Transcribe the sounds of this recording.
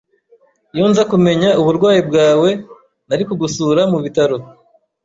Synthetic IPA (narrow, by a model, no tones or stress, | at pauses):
juːnzakume̞ɲauβuɾɡwaːjibɡaːwe̞ | naɾikuɡusuɾamuβitaɾo̞